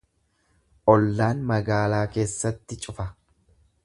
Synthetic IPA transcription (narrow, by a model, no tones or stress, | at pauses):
ʔɔlːaːnmɐɡaːlaːke̞ːsːɐt̪ːɪt͡ʃʼʊfɐ